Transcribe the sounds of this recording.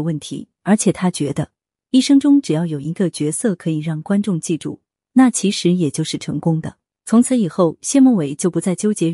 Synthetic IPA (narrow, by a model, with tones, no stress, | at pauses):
wə˥˩nt̪ʰḭ˧˥ | ə˞˧˥t͡ɕʰjɛ˨˩t̪ʰa˥t͡ɕɥɛ˧˥d̪ə˧ | i˥˩ʂɤ˥ŋʈ͡ʂʊ˥ŋʈ͡ʂɻ̩˨˩jɑ˥˩ʊjo˨˩ʊi˧˥ɡə˧t͡ɕɥɛ˧˥sɤ˥˩kʰɤ˧˥i˨˩ɻɑ˥˩ŋkwa˥nʈ͡ʂʊ˥˧ŋt͡ɕi˥˧ʈ͡ʂṵ˥˩ | na˥˩t͡ɕʰi˧˥ʂɻ̩˧˥jɛ˨˩t͡ɕjo˥˧ʊʂɻ̩˥˩ʈ͡ʂʰɤ̰˧˥ŋkʊ˥ŋd̪ə̰˨ | t͡sʰʊ˧˥ŋt͡sʰɹ̩˧˥i˨˩xo˥˩ʊɕjɛ˥˧mɔ˥˩we˨˩ɪt͡ɕjo˥˩ʊpu˧˥t͡sa˥˩ɪt͡ɕjo˥ʊt͡ɕjɛ˧˥